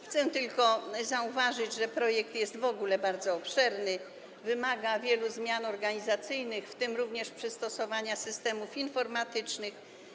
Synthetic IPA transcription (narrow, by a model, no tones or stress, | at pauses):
xt̪sɛt̪ɘlkɔzauvaʐɘd͡ʑʐɛpɾɔjɛkt̪jɛst̪vɔɡulɛbaɾd̪zɔɔpʂɛɾnɘ | vɘmaɡavʲjɛluzmʲjanɔɾɡaɲizat̪sɘjnɘxft̪ɘmɾuvɲɛʂpʂɘst̪ɔsɔvaɲasɘst̪ɛmufinfɔɾmat̪ɘt͡ʂnɘx